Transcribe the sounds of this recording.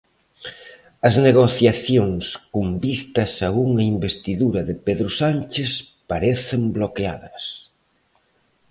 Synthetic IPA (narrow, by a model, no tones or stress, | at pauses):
ɐzneɣoθjaθjoŋskumbist̪ɐsauŋɐimbest̪iðuɾɐðɪpeðɾʊsanʲt͡ʃes | paɾeθemblokea̰ðɐs